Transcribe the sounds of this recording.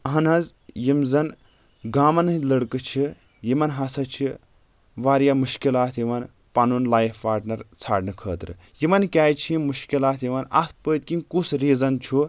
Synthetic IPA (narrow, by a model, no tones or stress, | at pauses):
ɐɦɐnɐzjimzɐn | ɡaːmɐnɨɦilɐɽkɨt͡ʃʰi | jimɐnɦɐsɐt͡ʃʰi | ʋaːɾjamuʃkilaːt̪ʰjiʋɐn | pɐnunlaːjfpaːɾʈnɐɾt͡sʰaːɖnɨkʰəːt̪ɾɨ̰ | jimɐnkʲaːjt͡ʃʰiimuʃkilaːt̪ʰjiʋɐnɐ̰t̪ʰpəːt̪kinkusɾiːzɐnt͡ʃʰu